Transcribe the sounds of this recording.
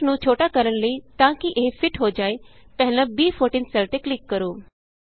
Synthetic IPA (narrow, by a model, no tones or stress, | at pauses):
nũt͡ʃʰoːʈakəɾəñləit̪ãːkiʔeɦfʰɪʈɦod͡ʒaːepɛɦɪlə̃biːpʰoːɾʈiːnsɛlt̪eklɪkːəɾoː